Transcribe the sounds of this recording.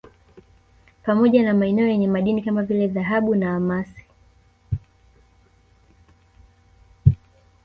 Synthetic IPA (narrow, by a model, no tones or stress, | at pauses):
pamɔʄanamaɛnɛɔjɛɲɛmaɗinikamavilɛðaɦaɓunaamasi̥